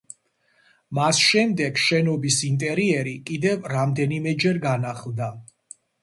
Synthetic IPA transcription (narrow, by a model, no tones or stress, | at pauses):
masʃɛmd̪ɛɡʃɛnɔbisint̪ʼɛɾiɛɾikʼid̪ɛvɾamd̪ɛnimɛd͡ʒɛɾɡanaχlˠd̪a